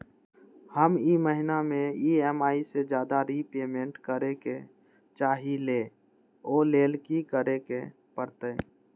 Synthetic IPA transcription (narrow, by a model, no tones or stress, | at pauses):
həmiməɦɪnamẽiɛmaːised͡ʒjaːd̪aɾipeːmẽɳʈkəɾeke | t͡ʃaːɦile | oːleːlkikəɾeke | pəɾt̪e